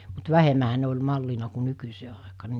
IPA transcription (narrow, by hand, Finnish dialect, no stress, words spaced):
mut ʋæhemæhæ ne olʲ mɑlːinɑ ku nykyseː ɑˑekɑː ne